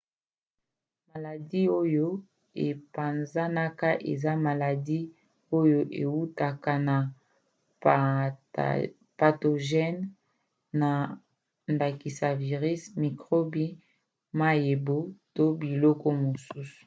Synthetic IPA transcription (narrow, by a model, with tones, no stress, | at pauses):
ma˨la˨di˦o˦jo˦ | e˨pa˨nza˦na˦ka˦ʔḛ˨za˦ma˨la˨di˦ | o˦jo˦ʔe˨wu˦ta˨ka˦na˨ | pa˨to˨ʒɛ˦nː | a˨ | nda˨ki˨sa˨vi˨ʁi˦smi˨kʁo˦bi˦ | ma˦je˨bo˦to˦bi˨lɔ˦kɔ˦mo˨su˦su̥˨